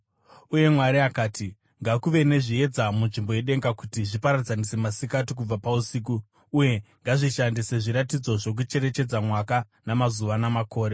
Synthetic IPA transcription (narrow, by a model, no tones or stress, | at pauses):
uje̞mwaɾiakaːtʰi | ŋɡakuʋe̞ne̞ʐie̞d͡zamunʐimbo̞je̞ɗe̞ŋɡakutiʐipaɾad͡zanise̞masikatik̬ub͡vapausik̬uː | je̞ŋɡaʐiʃandise̞ʐiɾatid͡zo̞ʐo̞k̬ut͡ʃe̞ɾe̞t͡ʃe̞d͡zamwaka | namazuʋanamako̞ːɾe